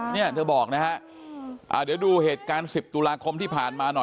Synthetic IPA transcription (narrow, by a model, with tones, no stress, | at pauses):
ni˥˩ɐt̪ʰɤː˧bɔː˨˩k̚na˦˥kʰa˦˥ʔ | ʔa̰ː˨˩diː˨˩˦duː˧heː˨˩t̪̚kaː˧nsi˨˩p̚t̪uː˧laː˧kʰo˧mt̪ʰiː˥˩pʰaː˨˩nmaː˧nɔ˨˩